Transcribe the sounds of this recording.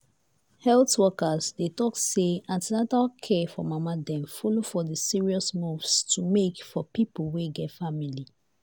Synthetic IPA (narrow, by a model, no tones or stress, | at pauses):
hɛltwɔkazdetɔkseãntinatalkʰɛfɔmamadɛ̃mfɔlofɔdəsiɹiɔsmuvstʰumekfɔpipolweɡɛtfamili